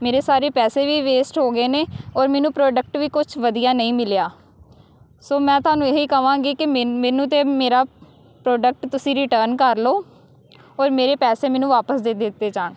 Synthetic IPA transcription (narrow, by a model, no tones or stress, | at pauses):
meːɾeːsaːɾeːpɛːseːʋiːʋeːsʈɦoːɡeːneːɔːɾmɛːnũːpɾoːɖək̚ʈʋiːkʊt͡ʃʰʋəd̪ijaːnəĩːmɪlejaː | soːmɛ̃ːt̪ʊaːnũːeɦiːkəʋãːɡiːkɪmɛːnũːt̪̬ẽːmeːɾaː | pɾoːɖək̚ʈt̪ʊsĩːɾɪʈəːɾnkəɾloː | ɔːɾmeːɾeːpɛːseːmɛːnũːʋaːpəsd̪eːd̪ɪt̪ːeːd͡ʒaːɳ